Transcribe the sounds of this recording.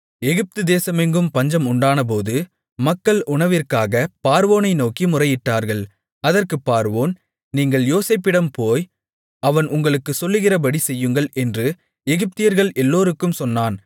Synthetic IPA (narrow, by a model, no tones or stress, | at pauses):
ɛɣɪp̚t̪ɯd̪eːsɐmɛŋɡɯmpɐɲd͡ʒɐmʊɳɖaːnɐp̬oːðɯ | mɐkːɐɭʊɳɐʋɪrkaːɣɐpaːɾʋoːnɐɪnoːkimʊrɐjɪʈːaːɾɣɐɭ | ɐðɐrkɯpːaːɾʋoːn | niːŋɡɐɭjoːseːpːɪɽɐmpoːj | ɐʋɐnʊŋɡɐɭɯkːɯsɔlːɯɣɪrɐpɐɽisɛjːɯŋɡɐɭʔɛndrɯ | ɛɣɪp̚t̪ɪjɐɾɣɐɭʔɛlːoːɾɯkːɯmsɔnːaːn